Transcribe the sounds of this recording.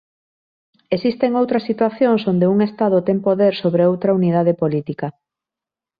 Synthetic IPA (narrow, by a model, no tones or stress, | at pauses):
esist̪eŋowt̪ɾɐsːit̪waθjoŋsond̪euŋest̪að̞ot̪eŋpoðeɾsoβɾeowt̪ɾɐauniðað̞epolit̪ikɐ